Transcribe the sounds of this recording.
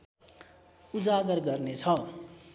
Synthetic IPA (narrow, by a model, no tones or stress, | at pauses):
ud͡zaɡʌrɡʌrnet͡sʰʌ